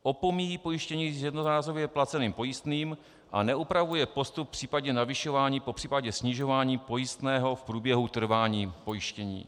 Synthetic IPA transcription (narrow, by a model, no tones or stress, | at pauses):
ʔo̞pomijipo̞jɪʃcɛɲiːjɛdnozaːsobjɛplat͡sɛniːmpo̞jɪst̪niːm | ʔa̰nɛʔupɾavujɛpo̞st̪up̚pr̥iːpadɲɛnavɪʃo̞vaːɲiːpo̞pr̥iːpaɟɛsɲɪʒo̞vaːɲiːpo̞jɪst̪nɛːɦo̞fpɾuːbjɛɦut̪r̩vaːɲiːpo̞jɪʃcɛɲḭː